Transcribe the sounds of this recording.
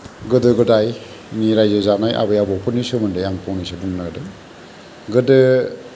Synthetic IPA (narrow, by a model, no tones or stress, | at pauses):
ɡɯdɯɡɯdaj | niɾajzɯzanajʔa̰bɯjabɔpʰɯnːisɯmɯndɯjaŋpʰɔwnisɯduŋnɯɡɯdɯ | ɡɯdɯ